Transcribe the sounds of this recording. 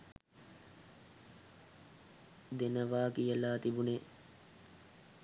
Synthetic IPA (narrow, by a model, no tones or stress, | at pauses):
d̪enəʋaːkijəlaːt̪ibune